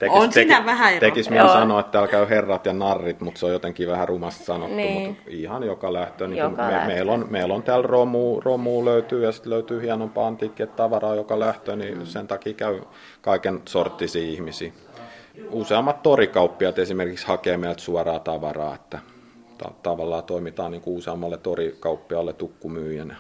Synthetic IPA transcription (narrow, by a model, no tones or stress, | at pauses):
t̪ekisetæʋæhæt̪ekisminssɑnoet̪t̪æːlkæyherːɑt̪jɑnɑrːit̪mut̪seojot̪eŋkiʋæhærumɑst̪sɑno̰t̪umut̪ihɑnjokɑlæht̪øːniːkumemeilonmeilont̪æːlromuːromuːløyt̪yːjɑsi̥t̪løyt̪yːhiɑnompɑːɑnt̪iːkːiet̪t̪ɑʋɑrɑːjokɑlæht̪øːnisent̪ɑkiːkæy | kɑikensort̪ːisiːihmisiː | useɑmːɑt̪t̪orikɑupːiɑt̪esimerkikshɑkeːmeilt̪suɑrɑːt̪ɑʋɑrɑ̰ːet̪ːæ | t̪ɑ̰t̪ɑʋɑlːɑːt̪oimit̪ɑːnniːŋkuuseɑmːɑlːet̪orikɑupːiɑlːet̪ukːumyːjænjɑ